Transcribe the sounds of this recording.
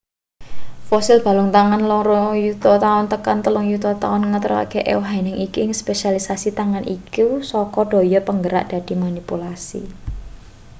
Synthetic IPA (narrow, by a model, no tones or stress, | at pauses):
fɔsɪlb̥ä̤lʊŋt̪aŋanlɔŋɾɔjut̪ɔt̪aʊnt̪əkant̪əlʊŋjut̪ɔt̪a̰ʊnŋət̪əɾɔka̰ɡ̥eʔɛ̰wɦanɪŋikiɪŋspesalisasit̪aŋanʔḭkusɔkɔɖ̥o̤jɔpəŋɡəɾa̰ʔd̪̥a̤d̪̥i̤manipulasḭ